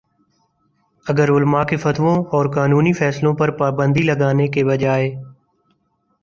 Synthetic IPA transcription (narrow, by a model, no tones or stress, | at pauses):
əɡəɾʊlmaːkeːfʰət̪ʋõːɔːɾkaːnuːniːfʰɛːslõːpəɾpaːbə̃nd̪iːləɡaːneːkeːbəd͡ʒaːeː